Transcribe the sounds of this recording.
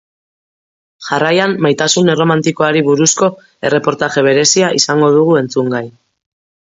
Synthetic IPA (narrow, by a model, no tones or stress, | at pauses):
ʝarajamːajt̪asune̞ro̞mant̪iko̞aɾiβuɾusko̞ | e̞re̞po̞ɾt̪aʝe̞β̞e̞ɾe̞siaʔisaŋɡo̞ð̞uɣ̞ue̞nt͡suŋɡaj